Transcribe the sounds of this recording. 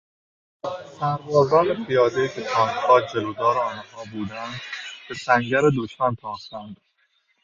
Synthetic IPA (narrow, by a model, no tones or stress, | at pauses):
sæɾvɒːzæːnepʰijɒːd̪ejiːcʰet̪ʰɒːnd̪hɒːd͡ʒelod̪ɒːɾeɒːnhɒːbuːd̪ænd̪b̥e̞sæŋɟæɾed̪oʃmænt̪ʰɒːxt̪ænd̪̥